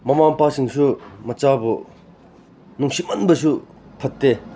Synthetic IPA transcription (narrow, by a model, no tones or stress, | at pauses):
mamaŋpaɕiŋɕumət͡ɕabo | nuŋɕimənbəɕu | pʰət̚t̪ːe